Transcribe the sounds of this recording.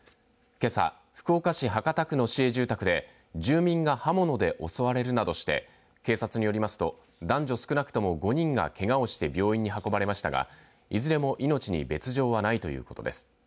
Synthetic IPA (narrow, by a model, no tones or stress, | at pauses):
ke̞sa̰ | ɸɯ̟̥kɯ̟okaɕiɦakat̪akɯ̟no̞ɕie̞ʑɨːt̪akɯ̟d̪e̞ | d͡ʑɨːmʲĩŋɡahamo̞no̞d̪e̞ʔo̞̰so̞βaɾe̞ɾɯ̟nad̪o̞ɕi̥t̪e̞̰ | ke̞ːsat͡sɨɲ̟ijo̞ɾʲimasɨ̥t̪o̞ | d̪ãɲ̟d͡ʑo̞sɨ̥kɯ̟nakɯ̥t̪o̞mo̞ɡo̞ɲ̟ĩŋɡa̰ke̞ɡao̞ɕi̥t̪e̞bʲjo̞ːĩɲ̟ːiɦako̞baɾe̞maɕi̥t̪aɡa̰ | izɨɾe̞mo̞ʔino̞t͡ɕiɲ̟ḭbe̞t͡sɨʑo̞ːβanait̪o̞jɯ̟̰ːko̞t̪o̞̰d̪e̞̰sɨ̥